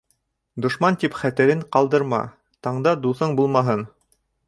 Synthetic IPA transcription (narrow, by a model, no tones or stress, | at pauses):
d̪ŏʃmɑnt̪ipχæt̪ɘ̆ɾɘɴqɑlˠd̪ɤ̆ɾmɑ̰ | t̪ɑɴd̪ɑd̪uθɤɴbulˠmɑɦɤn